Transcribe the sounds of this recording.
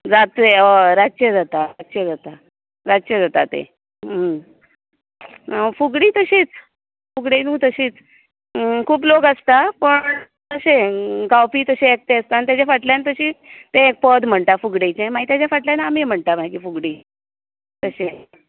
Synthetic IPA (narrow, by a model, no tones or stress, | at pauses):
d͡zat̪eəɾat͡ɕed͡zat̪aɾat͡ɕed͡zat̪a | ɾad͡ʑt͡ɕed͡zat̪at̪ḛ | ɦə | fuɡɽiːt̪əɕiːt͡s | fuɡɽenũːt̪əɕiːt͡s | kʰuːplokəst̪apəɳ | t̪əɕeɡawpiːt̪əɕeek̚t̪eəst̪aant̪jat͡ɕafaʈljãnet̪əɕiːt̪ẽek̚pəd̪ʱm̤əɳt̪afuɡɽet͡ɕẽmait̪jat͡ɕafaʈljanaːmiːm̤əɳt̪amaikiːfuɡɽiː | t̪əɕe